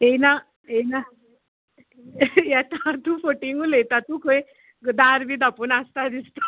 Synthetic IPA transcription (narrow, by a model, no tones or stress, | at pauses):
ena | ena | jɛt̪at̪ufoʈiŋɡulet̪at̪ukʰoj | d̪aɾbid̪apunast̪ad̪ist̪a